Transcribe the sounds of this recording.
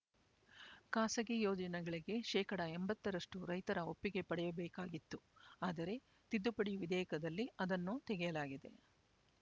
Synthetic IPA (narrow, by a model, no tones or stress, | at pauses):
kaːsɐɡijoːd͡ʒɐnɛɡɐɭiɡe̞ʃɛːkɐɽɐembɐt̪ːɐɾɐʂʈuɾɐjt̪ɐɾɐopːiɡe̞pɐɽɛjɐbɛːkaːɡit̪ːuaːd̪ɐɾe̞ | t̪id̪ːupɐɽiʋid̪ɛːjkɐd̪ɐlːiɐd̪ɐnːut̪ɛɡɛjɐlaːɡid̪e̞̰